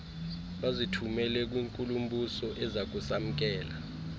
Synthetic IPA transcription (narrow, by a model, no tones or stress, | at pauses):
ɓazitʰumɛlɛk̬wiːŋkʼulum̩ɓʱusɔʔɛzak̬usam̩k̬ɛːla